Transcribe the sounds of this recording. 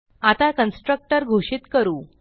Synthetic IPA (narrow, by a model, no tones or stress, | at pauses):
at̪akənsʈɾək̚ʈəɾɡʱoʂit̪kəɾuː